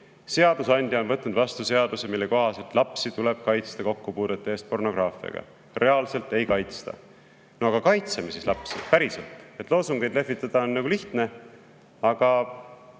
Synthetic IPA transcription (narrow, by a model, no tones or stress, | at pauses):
se̞ɑd̪̥usɑnʲd̪̥ʲjɑonvɤt̪ːnud̪vɑst̪use̞ɑd̪̥usemilːe̞ko̞ɦɑse̞lt̪lɑpsit̪ule̞b̥kɑjt̪st̪ɑko̞kːupuːd̪̥et̪ːˑɑeːst̪̚po̞rno̞ɡ̥rʔɑːfiɑ̰ɡ̥ɑ̰ | re̞ɑlse̞lt̪e̞jkɑjt̪st̪ɑ̰ | noɑɡ̥ɑkɑjt̪semisislɑpsipæɾiselt̪ˑe̞t̪lo̞ːsuŋɡ̥ejd̪le̞fːit̪ːˑɑd̪̥ɑonːɑɡuliht̪ne̞ | ɑɡ̥ɑ